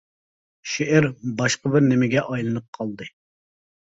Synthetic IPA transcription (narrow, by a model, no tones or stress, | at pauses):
ʃeʔɪɾbɑʃqəbɪɾnɪmɪɡʲɛʔɑjlˠɨnɨp̚qʰɑlˠd̪ɨ